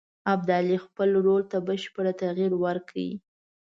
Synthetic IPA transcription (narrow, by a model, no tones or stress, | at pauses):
ab̚d̪ɑlixpəlɾolt̪abəʃpəɽat̪aɣiɾwəɾkʰawḭ